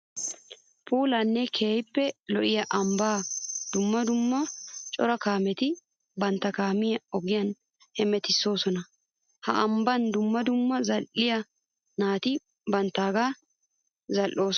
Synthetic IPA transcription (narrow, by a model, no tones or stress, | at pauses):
pʰuːlɐnːɛkʰeːjɪpːɛlɔʔɪjɐʔɐmbaːd̪̥ʊmːɐd̪ʊmːɐt͡ʃʼɔɾɐkaːmɛt̪ɪ | bɐnt̪ːɐkaːmɪjɐɔɡɪjɐn | hɛmɛt̪ɪsːo̞ːsɔnɐ | hɐ̰ʔɐmbɐnd̪ʊmːɐd̪ʊmːɐzɐlʔːɪjɐ | naːt̪ɪ | bɐnt̪ːaːɡaː | zɐlʔːo̞ːs